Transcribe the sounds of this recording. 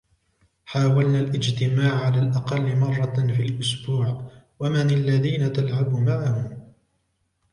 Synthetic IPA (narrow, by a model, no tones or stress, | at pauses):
ħaːwalnaːlʔɪd͡ʒt̪ɪmaːʕʕalaːlʔɑqɑlːɪmɑrˤːɑfiːlʔʊsbuːʕ | wamɪnalːaðiːnat̪alʕabumaʕahʊm